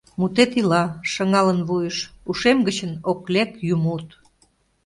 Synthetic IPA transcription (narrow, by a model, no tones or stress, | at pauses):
mut̪et̪ilɑʃəŋɑlənβujəʃuʃemɡət͡ɕənoklekjumut̪